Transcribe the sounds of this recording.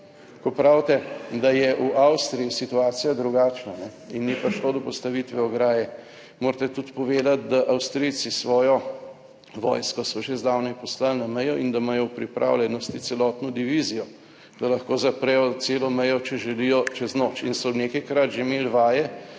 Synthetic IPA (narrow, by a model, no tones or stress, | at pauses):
kɔpɾawt̪ɛd̪ajɛʔuʔawst̪ɾijisit̪uaːt̪sijad̪ɾuɡat͡ʃnanɛ | inːipɾʃlod̪ɔpɔst̪ɐʋit̪ʋɛɔɡɾaːjɛ | moːɾt̪ɛt̪ut̪pɔʋeːd̪at̪̚d̪aʔawst̪ɾijt̪sisʋɔːjɔ | ʋɔ̰ːjskɔsɔʒezd̪aːwnɛpɔslalnamɛjɔʔind̪amajɔwpɾipɾʔa̰ːwljɛnɔst̪it̪sɛlɔːt̪nɔd̪iʋizijɔ | d̪̥alɐxkoːzɐpɾɛjɔt̪seːlɔmɛjɔt͡ʃɛʒɛlijɔt͡ʃɛznoːt͡ʃinsɔneːkɛjkɾat̪ʒemelʋaːjɛ